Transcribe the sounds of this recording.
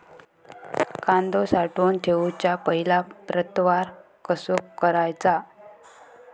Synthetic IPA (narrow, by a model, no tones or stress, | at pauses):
kand̪osaʈuːnt̪ʰeut͡ɕapəɦilapɾət̪ʋaɾ | kəsokəɾajt͡sa